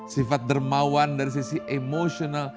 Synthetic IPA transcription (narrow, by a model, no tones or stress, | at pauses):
sifat̪̚dərmawandaɾis̬isiʔemoʃonal